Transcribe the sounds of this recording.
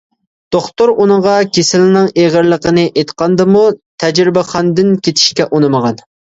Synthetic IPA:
d̪̥oχt̪uɾunɨŋʁɑkʲʰesɪlnɪŋeʁəɾlˠəqənɨʔet̪qɑnd̪ɨmut̪ʰɛd͡ʒɾɪbɪχɑnd̪ɪnkʲʰet̪ʰɪ̥ʃkʲɛʔunɨməʁɑn

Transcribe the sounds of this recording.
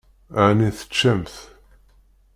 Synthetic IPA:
ʕniθə̥t͡ʃːæmθ

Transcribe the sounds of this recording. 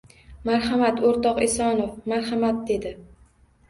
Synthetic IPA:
maɾhamat̪oɾt̪ɒqesɒnofmaɾhamat̪̚d̪e̞d̪ɪ

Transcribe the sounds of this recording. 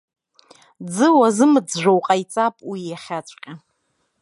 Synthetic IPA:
d͡zɨwazɨmɨd͡zʒᶣʷowqʼajt͡sʼapʼwijaχʲat͡ʃʷʼqʲʼa

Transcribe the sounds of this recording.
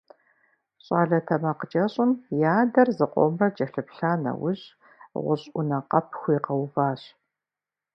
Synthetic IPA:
ɕʼaːɮɐtʰɐmɐqəd͡ʒɐɕʼɪnjaːdɐrzɨqʷʼɔ̰mrɐd͡ʒɐɬɨpɬaːnɐ̰wʊɕ | ʁʷʊ̰ɕʼʷʊ̰nɐqɐpʰxʷʊiqɐwvaːɕ

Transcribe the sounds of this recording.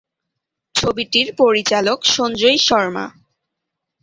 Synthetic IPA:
t͡ɕʰobiʈiɾpoɾit͡ɕalokʃond͡ʑojʃɔɾma̰

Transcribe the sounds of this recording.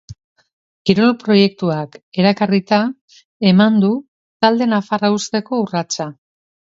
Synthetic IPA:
kiɾolopɾo̞je̞k̚t̪uakeɾakarit̪a | e̞mand̪u | t̪ald̪e̞nafaraust̪e̞ko̞urat͡sa

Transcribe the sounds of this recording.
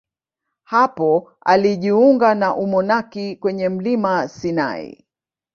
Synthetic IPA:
hapɔ | a̰liʄiuŋɡanaʔumɔnakikwɛɲɛm̩limasina̰ḭ

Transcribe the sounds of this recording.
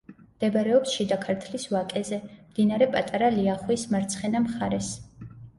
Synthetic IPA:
md̪ɛbaɾɛɔpsʃid̪akʰaɾt̪ʰlisvakʼɛzɛmd̪̥inaɾɛpʼat̪ʼaɾaliaχwismaɾt̪sʰχɛnamχaɾɛs

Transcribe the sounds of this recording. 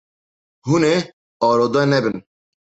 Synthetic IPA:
hune | ɔːɾod̪ɛnɛbɪn

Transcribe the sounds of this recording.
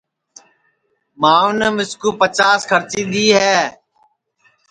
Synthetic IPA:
mãːõːneːmɪskuːpət͡ʃaːskʰəɾt͡ʃiːɗ̪iːɦɛː

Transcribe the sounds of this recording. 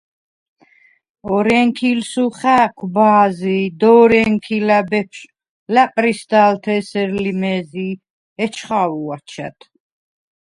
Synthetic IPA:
ɔɾɛŋkʰilsuχæːkʷʰbaːzid̪ɔːɾɛŋkʰilabɛpʰʃ | læpʼɾist̪alt̪ʰɛsɛɾlimɛzi | ɛt͡ʃʰχawuat͡ʃʰɛ̰t̪ʰ

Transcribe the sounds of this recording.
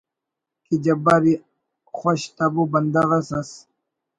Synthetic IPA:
kid͡ʑɐbaɾi | xoɕt̪abubɐnd̪aɣɐsas

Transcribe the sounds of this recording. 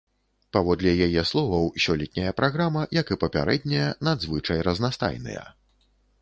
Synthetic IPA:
pavɔd̪lʲɛjajɛslˠɔvɐwsʲɔlʲɛt̪ʲnʲɐjɐpɾaɣɾamɐjɐkɨpɐpʲa̰ɾɛd̪̚ʲnʲɐjɐnad̪zvɨt͡ʂɐjrɐznast̪a̰jnɨ̰jɐ̰

